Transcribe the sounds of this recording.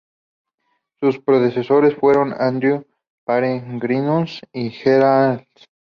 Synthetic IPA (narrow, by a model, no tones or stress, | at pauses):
suspɾoðesesoɾesfweɾona̰nd̪ɾju | paɾeŋɡɾinusixeɾald̪